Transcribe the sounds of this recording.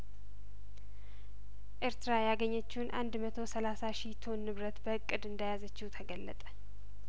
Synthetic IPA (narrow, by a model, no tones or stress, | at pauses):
ʔeɾt̪ʰɨɾajaɡəɲːət͡ʃːɪunʔand̪mət̪ʰo̞səlasaʃit̪ʰo̞nːɨβɾət̪bəɨkʼːɨd̪ɨnd̪ajazət͡ʃːɪwut̪ʰəɡəlːət̪ʼə̥